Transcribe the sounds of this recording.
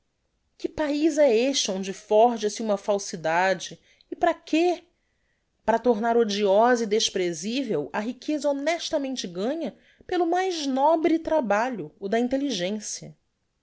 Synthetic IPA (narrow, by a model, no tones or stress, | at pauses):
kɪpaizɛeʃt͡ʃɪõnd͡ʒɪfɔɾʒɐsɪũmɐfawsid̪ad͡ʒɪː | pɾɐkʰe | pɾɐt̪oɾnaɾod͡ʒiɔzɐid̪eʃpɾezivewɐɦikʰezɐonɛʃt̪ɐmẽnt͡ʃɪɡɐ̃ɲɐ | pelʊmajznɔbɾɪt̪ɾabaʎʊːd̪ɐĩnt̪eliʒẽsijɐ